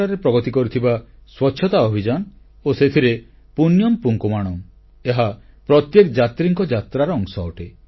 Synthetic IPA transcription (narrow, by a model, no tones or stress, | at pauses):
aɾepɾɔɡɔt̪ikɔɾut̪ʰibaswɔtːʃʰjɔt̪aɔbʱid͡ʒan | oset̪ʰiɾe | punjɔmpuŋkumaɽ̃ɔm | eɦa | pɾɔt̪jekd͡ʒat̪ɾiŋkɔd͡ʒat̪ɾaɾɔːŋsɔːʈe